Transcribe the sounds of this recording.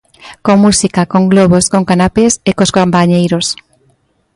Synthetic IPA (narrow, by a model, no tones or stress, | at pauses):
koŋmusikakoŋɡloβ̞oskoŋkanapesekoskompaɲejɾos